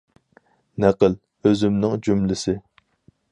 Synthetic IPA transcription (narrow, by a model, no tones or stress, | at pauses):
nɛqəl | øzymnɪŋd͡ʒymlɪsɪ